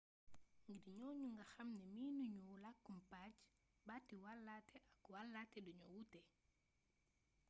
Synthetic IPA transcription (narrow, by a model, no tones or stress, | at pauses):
ŋɡiɾɲɔɲuŋɡaxamnɛminuɲulakːumpad͡ʒ | batːiwalːatɛʔakwalːatɛɗuɲɔwutɛ